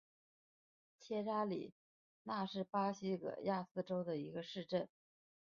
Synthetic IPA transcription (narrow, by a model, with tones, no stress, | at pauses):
t͡ɕʰjɛ˥ʈ͡ʂa˥lḭ˨˩ | na˥˧ʂɻ̩˥˩pa˥ɕi˥kɤ̰˨˩ja˥˧sɹ̩˥˩ʈ͡ʂo˥ʊd̪ə˨i˧˥ɡə˧ʂɻ̩˥˧ʈ͡ʂə˥˩n